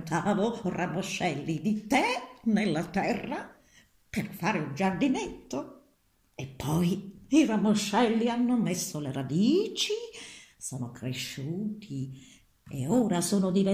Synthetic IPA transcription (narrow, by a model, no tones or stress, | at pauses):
t̪ʰaːvoramoʃːɛlːid̪it̪ɛnelːat̪ɛrːa | perfaːɾeund͡ʒard̪inet̪ːo | epʰːɔjiramoʃːɛlːianːomesːoleɾad̪iːt͡ʃisoːnokɾeʃːuːt̪ʰi | ḛoːɾasoːnod̪ive